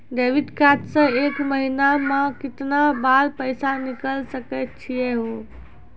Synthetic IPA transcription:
ɖeʋiʈkat̪sə̃ekməɦinamãkɪt̪nabaɾpəjsanikəlsəkət̪̚t͡ʃʰijɛɦo

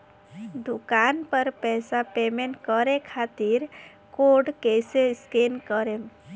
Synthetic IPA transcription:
d̪ukanpəɾpɛːsapemẽɳʈkəɾekʰat̪iɾ | koɖkeseskenkəɾem

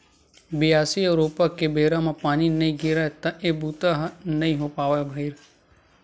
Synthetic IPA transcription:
bɪjaːsiɐɾoːpakebeːɾãmãpaːninɐĩɡɪɾat̪ãʔeːbuːt̪aɦnɐɦĩɦopaːʋabʱɐɪɾ

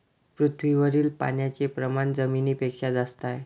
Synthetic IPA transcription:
pɾut̪ʰʋiʋəɾiːlpa̰njat͡sepɾəmand͡zəminiːpekʂad͡z̪ast̪aj

